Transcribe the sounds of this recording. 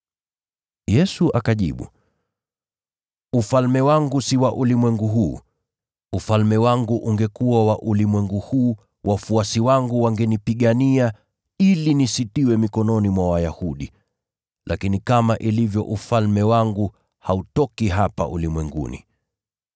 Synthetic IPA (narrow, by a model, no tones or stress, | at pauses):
jɛsuʔakaʄḭɓṵ | ufalmɛwaŋɡusiwaʔulimwɛŋɡuɦuː | ufalmɛwaŋɡuʔuŋɡɛkuwawaʔulimwɛŋɡuhuː | wʔafuasiwaŋɡuwaŋɡɛnipiɠania | ilinisitiwɛmikɔnɔnimwawajahuɗi | lʔakinikamaʔilivjɔ̰ʔufalmɛwaŋɡu | hautɔkiɦapa̰ʔṵlimwɛŋɡṵnḭ